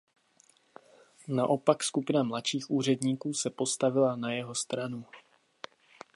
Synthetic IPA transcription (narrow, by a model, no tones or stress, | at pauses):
naʔo̞pakskupɪnamlatʃiːxʔuːr̝ɛdɲiːkuːsɛpo̞st̪avɪlanajɛɦo̞st̪ɾanu